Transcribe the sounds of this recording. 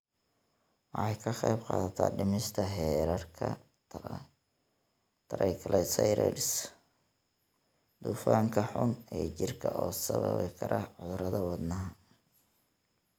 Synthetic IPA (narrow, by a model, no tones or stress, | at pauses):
wɑħɑjkʰɐχɛjbqɑ̰ːðɐt̪ʰa̰ːɖɪmɪst̪ʰɐɦɛːɾɐrkʰɐ | t̪ʰɐɾʔɛjkʰɐlʔɛsɐjɾɛ̰lɪs | d̪ufaːŋkʰɐħʊnɛːt͡ʃɪrkʰɐʔɔːsɐβɐ̰βɪkʰɐɾʔɐʕʊðʊɾɐðɐwɑd̪nɐɦɐ